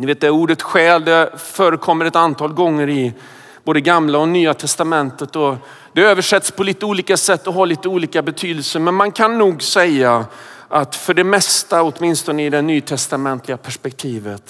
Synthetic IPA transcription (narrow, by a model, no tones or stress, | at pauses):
nɪveːt̪d̪ɛæɾuːɖət̪ɧɛːld̪ɛfœːɾəkʰɔmːəɾɛt̪ant̪ʰɑːlɡɔŋːəɾɪ | boːd̪əɡamlaɔnyːat̪ʰɛst̪amɛnt̪ət̪ɔ | d̪̥ɛøːvəʂɛt̪ːspʰɔliːt̪əuːliːkasɛt̪ːɔɦaːɭiːt̪əuːliːkabɛt̪ʰyːd̪əlsəɾmɛnmankʰanːuːɡsɛja | ʔat̪fœɖɛmɛst̪aɔt̪mɪnst̪ɔnəɪd̪ɛnyːt̪ʰɛst̪amɛnt̪ʰlɪɡapʰæʂpɛk̚t̪ʰiːvət̪